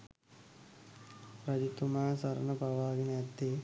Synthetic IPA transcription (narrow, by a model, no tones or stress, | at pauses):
pɾɐd̪it̪umaːsɐɾnɐpɐʋaːɡint̪ːi